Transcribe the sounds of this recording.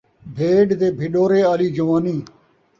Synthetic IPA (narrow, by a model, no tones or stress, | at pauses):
bʱeːɖd̪eːbʱɪɗoːɾeːaːliːd͡ʒəʋaːniː